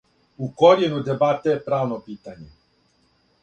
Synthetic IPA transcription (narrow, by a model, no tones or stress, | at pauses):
ukoɾjenud̪ebat̪epɾaːʋnopiːt̪aɲe